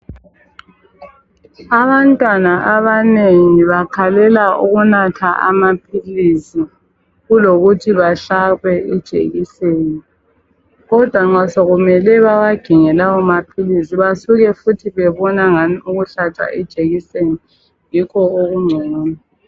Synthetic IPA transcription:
aβantʼwanaʔaβaneŋŋiβakʰalɛlaṵɣunatʰaʔa̰mapʰilisi | ɣuloɣutʰiβaɬaɣwɛid̥ʒ̥ʱḛɣiseni | ɣɔd̥ʱwaŋ͡ǀasoɣumɛlɛβawaɡ̥ʱiŋɛlawɔmapʰilisiβasuɣɛfutʰiβɛβɔnaŋaniuɣuɬat͡ʃʼa̰ʔid̥ʒ̥ʱeɣiseni | jikʰɔoɣuŋ͡ǀʱuŋuːna

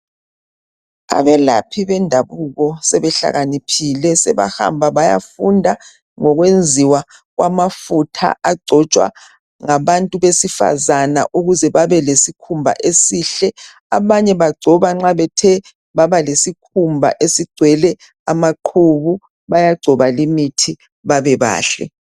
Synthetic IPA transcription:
a̰βɛla̰pʰiβɛndʱaβuɣɔsɛβɛɬa̰ɣanipʰilɛsɛ̰βa̰ha̰mbʱaβaja̰fundʱa | ŋɔɣwend͡zʱiwa | ɣwamafutʰa̰ʔaɡ͡ǀʱɔt͡ʃʼwa̰ | ŋaβantʼuβesifa̰zana̰ʔuɣuzɛβaβɛlesikʰumbʱa̰ʔesiːɬɛ | aβaɲɛβaɡ͡ǀʱɔβaŋ͡ǁaβɛtʰɛ | βaβalesikʰumbʱa̰ʔesiɡ͡ǀ̥ʱwɛlɛ | amaǃʰuβu | βajaɡ͡ǀʱɔβalimitʰi | βaβɛβa̰ːɬɛ̰

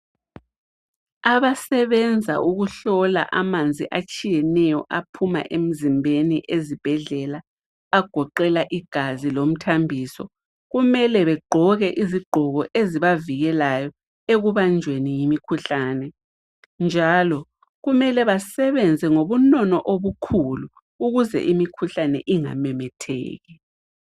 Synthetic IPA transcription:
aβasɛβɛnd͡zʱa̰ʔuɣuɬɔla̰ʔamand͡zʱḭʔat͡ʃʼijɛnɛjɔʔapʰuma̰ʔem̩zimbʱeniʔezib̥ʱɛɮɛlaː | ɡ̥ʱɔǃɛlaʔiɡ̥ʱazilom̩tʰambʱiːsɔ | ɣumɛlɛβɛɡ͡ǃʱɔɣɛʔiziɡ͡ǃʱɔɣɔʔeziβaviɣɛlajɔ | eɣuβand͡ʒʱwenijimikʰuɬanɛ | nd͡ʒʱalɔ | ɣumɛlɛβasɛβɛnd͡zʱɛŋoβunɔnɔʔoβukʰulu | uɣuzɛ̰ʔimikʰuɬanɛ̰ʔiŋa̰mɛmɛtʰɛ̰ːɣɛ

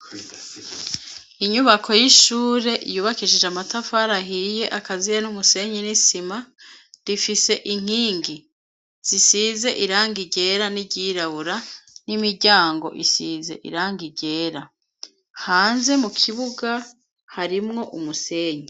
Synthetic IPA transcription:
iɲuβakʰo̞jiʃuːɾe̞ʔijuːβakiʒed͡ʒamatafaɾaɦije̞ʔakazijenumuse̞ɲinisima | ɾifise̞ʔiŋ̥hiːŋɡi | z̥isiːze̞ʔiɾaːŋɡiɟe̞ːɾaniɟiɾaβuɾanimiɾɟaːŋɡo̞̰ʔisiːze̞̰ʔḭɾaːŋɡiɟe̞ːɾa | haːnze̞mukʰiβuɡa | haɾimŋo̞ʔumuse̞ːɲi

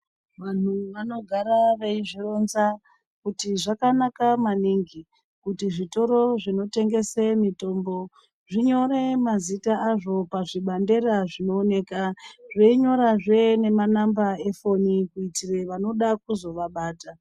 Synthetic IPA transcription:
ʋan̤uʋano̞ɡʱaɾaʋeiʐiro̞nza | kutiʐakanakamaniŋɡi | kutiʐito̞ɾo̞ʐino̞te̞ŋɡe̞semito̞ːmbo̞ | ʐiɲo̞ɾe̞mazitaaʐo̞paʐiɓande̞ɾaʐino̞ːne̞kaʐeiɲo̞ɾaʐene̞manambae̞fo̞nikuitireʋano̞ɗak̚uzo̞ʋaɓaːta

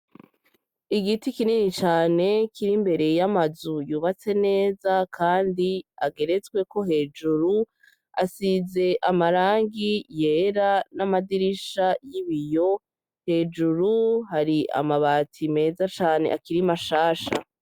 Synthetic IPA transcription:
iɡitikininit͡ʃaːne̞kʰiɾimbe̞ɾe̞jamazujuːβat͡se̞ne̞ːzakʰaːndiaɡe̞ɾe̞t͡sɡwe̞ko̞ɦe̞ːd͡ʒuɾu | a̰size̞ʔamaɾaːŋɡije̞ːɾanamadiɾiʃajiβijo̞ | he̞ːd͡ʒuɾuɦaɾiʔa̰maβaːtʰime̞ːzat͡ʃaːne̞̰ʔakiɾimaʃaːʃa̰

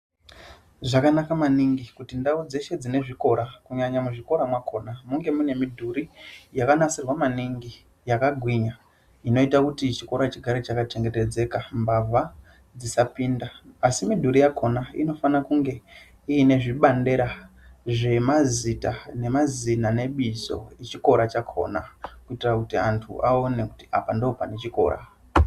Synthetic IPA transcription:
ʐakanakamaniŋɡikutindaud͡ze̞ʃe̞d͡zine̞ʐiko̞ɾakuɲaɲamuʐiko̞ɾamwakʰo̞ːnamuŋɡe̞mune̞midʱuɾijakanasirwamaniŋɡi | jakaɡʱwiɲa | ino̞itakutit͡ʃiko̞ɾat͡ʃiɡʱaɾet͡ʃakat͡ʃe̞ŋɡe̞te̞d͡ze̞kambavʱa | d͡zisapiːndaːsimidʱuɾijakʰonaḭno̞fanakuŋɡe̞ | iːne̞ʐiɓande̞ɾa | ʐe̞mazitane̞mazinane̞ɓizo̞̰et͡ʃiko̞ɾat͡ʃakʰo̞̰nakuitirakutiantʰṵʔao̞ne̞ku̥tia̰pandopane̞t͡ʃiko̞̰ːɾa̰

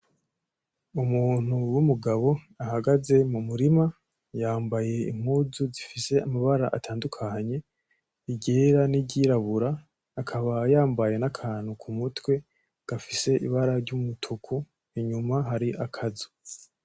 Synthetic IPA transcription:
umuːn̥uwumuɡaβo̞ | ahaɡaze̞mumuɾima | jaːmbaje̞ḭm̥huzuzifise̞amaβaɾa̰ʔatʰaːndukʰaɲe̞ | iɟe̞ːɾaniɟiɾaβuɾaː | kʰaβajaːmbaje̞nakʰaːn̥ukʰumutwe̞ | ɡ̥afise̞ʔḭβaɾaɾɟumutʰukʰu | iɲumaɦaɾiʔakʰazu̥

